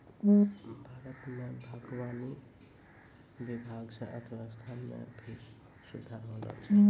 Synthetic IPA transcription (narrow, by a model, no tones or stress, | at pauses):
bʱaɾʌt̪mabʱaɡwani | bibʱaɡt͡sʰãʔʌt̪ʰʌwast̪ʰanja̰bʰʱiɾ | sud̪ʱaɾɦolɔ̰t͡sʰ